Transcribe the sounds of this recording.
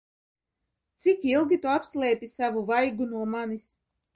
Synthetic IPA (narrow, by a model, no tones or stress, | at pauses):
t̪sikilˠɡʲit̪uapslˠɛːpʲisavuvajɡunuɔmanis